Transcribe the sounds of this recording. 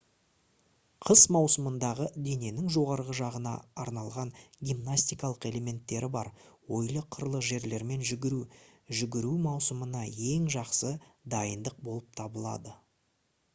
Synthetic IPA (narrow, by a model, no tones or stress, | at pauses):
qʰəzmɑwsəmənd̪ɑʁəd̪e̞ne̞nɪŋʒo̞ʁɑɾʁəʒɑʁənɑ̰ːɾnɑlˠʁɑŋɡʲimnasʲt̪ijkɑlˠəqe̞le̞me̞nt̪ːe̞ɾɪbɑɾwo̞jlˠəqʰːəɾlˠəʒe̞ɾle̞ɾme̞nʒɪɡʲɾuʒʏɡʲɪɾumɑwsəmənɑje̞ŋʒɑqsəd̪ɑjənd̪əq̚bo̞lˠəp̚t̪ʰɑbəlˠɑ̰d̪ə